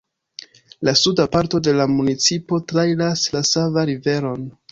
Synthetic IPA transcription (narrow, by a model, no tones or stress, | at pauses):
lasudapaɾto̞de̞lamunit͡sipo̞tɾajlaslasavaɾive̞ɾo̞n